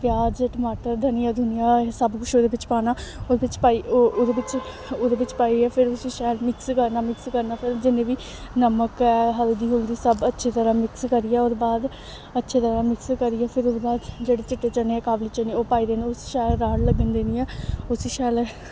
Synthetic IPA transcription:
pjaːd͡ʒʈəmaːʈəɾd̪əniːɛːd̪ʊnɪjãːsəbkʊʃʰoːd̪eːʋɪt͡ʃpaːnaːobɪt͡ʃpaːioːd̪ebɪt͡ʃ | oːd̪eːʋɪt͡ʃpaːiɛːpʰɪɾʊsiːʃɛːlmɪkskəɾnaːmɪkskəɾnaːpʰɪɾd͡ʒɪnẽːʋiː | nəməkɛːɦəld̪iːɦʊld̪iːsəbətːʃʰeːt̪əɾaːmɪkskəɾiːɛːoːɾbaːd̪ | ətːʃʰeːt̪əɾaːmɪkskəɾiːɛːpʰɪɾʊd̪ebaːd̪d͡ʒeːɽeːt͡ʃɪʈːeːt͡ʃəneːɛːkaːbliːt͡ʃəniːoːpaːiːd̪eːneʊsʃɛːlɾaːɽləɡənd̪eːnĩːɛːʊsiːʃɛːl

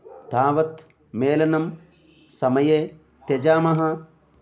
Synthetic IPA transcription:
t̪aːʋɐt̪ | meːlɐnɐm | sɐmɐjeː | t̪ed͡ʒaːmɐɦɐ̆

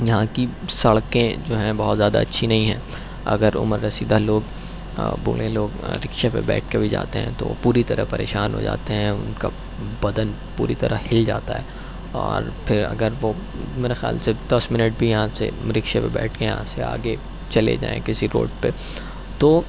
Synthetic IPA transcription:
jɐɦãkisɐɭkẽd͡ʒoːɦɛ̃bɐɦɔt̪zjaːd̪a̰ɐtːʃʰinɐɦĩɦɛ̃ | ɐ̰ɡəɾʊ̰məɾːɐsiːd̪ʱaloːɡ | bo̰ːlẽloːɡɾɪkʃepḛbɛ̰ːʈʰkebʱid͡ʒa̰ːt̪eɦɛ̰̃t̪o̰ʋo̰puːɾit̪ɐɾə̰ɦpɐɾḛːʃaːnɦo̰d͡ʒa̰ːt̪eɦɛ̃ʊnka | bɐd̪ən | puːɾit̪ɐɾəhɪld͡ʒaːt̪aɦɛ | ɔːɾpʰɪɾɐ̰ɡəɾʋo | meːɾaxja̰ːlsed̪̥ɐsmɪnəʈ̚bʱijɐɦãsḛɾɪkʃepebɛ̰ːʈʰkejɐ̰ɦã̰sea̰ːɡe | t͡ʃɐlḛd͡ʒã̰ːḛ̃kɪsiɾo̰ːɖpe | t̪oː

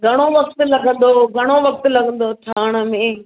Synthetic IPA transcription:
ɡʱɐɽ̃oʋɐkt̪lɐɡʱə̃n̆d̪oɡʱɐɽ̃oʋɐk̚t̪lɐɡʱə̃nd̪ot̪ʰaːɽ̃ə̆mẽ

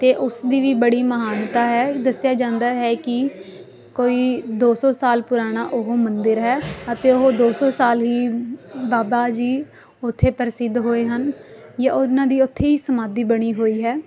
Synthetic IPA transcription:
t̪eːʔʊsd̪iːʋiːbəɽiːməɦaːnt̪aːɦɛːd̪əsɪjaːd͡ʒãːnd̪aːɦɛːkɪ | koːiːd̪oːsɔːsaːlpʊɾaːɽ̃aːʔʊɦoːmənd̪ɪɾɦɛːət̪ẽːoɦoːd̪oːsɔːsaːlɦiːbaːbaːd͡ʒiː | ʊt̪ʰːeːpəɾsɪd̪ɦoːeːɦənjãːʊnãːd̪iːʊt̪ʰːeːiːsəmaːd̪iːbəɽ̃iːɦoːiːɦɛː

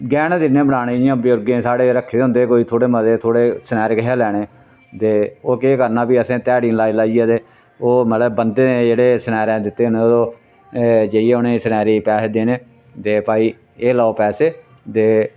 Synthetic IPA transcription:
ɡɛːnːd̪ɪnːẽːbəɽaːɽeːɪjãːbɪjʊɾɡẽːsaːɽeːɾəkʰːeːd̪ʊ̃nd̪eːkoːiːt̪ʰoːɽeːməd̪eːt̪ʰoːɽeːsənɛːɾeːkɪɦaːlɛːɽeː | t̪eːoːkeːkəɾnaːpiːəsẽːt̪ɛːɽiːnlaːilaːijaːd̪eː | oːməlɛbənd̪eːned͡ʒeːɽeːsənɛːɾɛ̃ːd̪ɪt̪ːeːneːooː | d͡ʒeijeːʊnẽːsənɛːɾiːpɛːseːd̪eːneː | t̪eːpaːiː | eːlaːoːpɛːseː | t̪eː

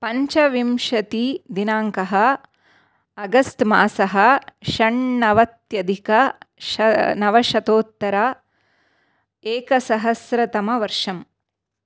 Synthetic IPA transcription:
pɐɲt͡ʃɐʋimʃɐt̪id̪inaːŋkɐɦɐ | ɐɡɐsʈmaːsɐɦɐʃɐɳnɐʋɐt̪jɐd̪ʱikɐ | nɐʋɐʃɐt̪oːt̪ːɐɾa | eːkɐsɐɦɐsɾɐt̪ɐmɐʋɐɾʂɐm

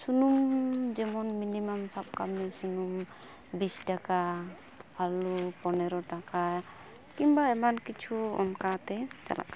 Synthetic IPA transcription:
sunumd͡ʒɛmɔnminimamsab̚kamnɛsunum | bisʈaka | bʰʱalupɔnɛɾɔʈaka | kimbaɛmankit͡ʃʰuɔ̰nkat̪ɛt͡ʃa̰la̰k

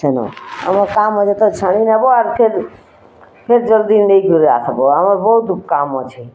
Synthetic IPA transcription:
t͡ʃʰənõ̰ə̰məɾkamɔt͡ʃʰet̪ot͡ʃʰəɽ̃inəboəɾpʰeɾ | pʰeɾd͡ʒəɾd̪inəjɡuɾa̰səboəməɾbəɦut̪up̚kamət͡ʃʰe

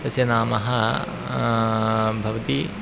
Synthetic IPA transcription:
t̪ɐsjɐnaːmɐɦɐ | bʱɐʋɐt̪i

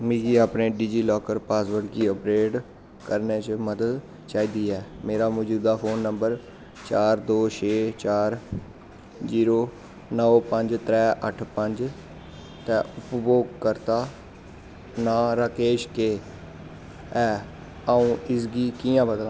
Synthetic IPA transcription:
mĩːɡiːaːpneːɖiːd͡ʒiːlɔːkəɾpaːsbəɽkiːəpɾeːʈ | kəɾneːt͡ʃməd̪əd̪ | t͡ʃaːiːd̪iːɛːmeːɾaːmɔːd͡ʒuːd̪aːpʰoːnːəmbəɾ | t͡ʃaːɾd̪oːt͡ʃʰeːt͡ʃaːɾ | ziːɾoː | nəpəɲd͡ʒt̪ɾɛːʔəʈʰpəɲd͡ʒ | t̪ɛ̃ːʊpboːɡkəɾt̪aː | nãːɾaːkeːʃkeː | ɛː | aːũːɪsɡiːkiːãːbəd̪lã

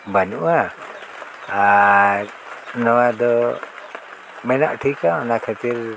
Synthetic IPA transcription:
banuʔa | aɾ | nɔwad̪ɔ | mɛnaʔʈʰikanakʰət̪iɾ

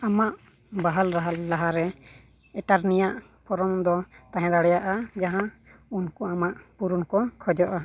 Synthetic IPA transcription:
amaʔ | baɦalɾaɦalːaɦaɾɛ | ɛʈaɾnijaʔ | pʰɔɾɔmd̪ɔt̪ãɦɛ̃d̪aɽɛjaʔad͡ʒaɦã | unkɔamaʔpuɾunkɔkʰɔd͡ʒɔʔa

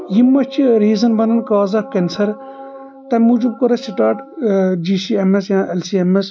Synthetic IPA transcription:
jimːɐt͡ʃʰiɾiːzɐnbɐnɐnkaːzɐkensɐɾ | t̪ɐmud͡ʒub̚kɐɾɐsiʈaːʈd͡ʒiːsiemesjãːʔelsiemes

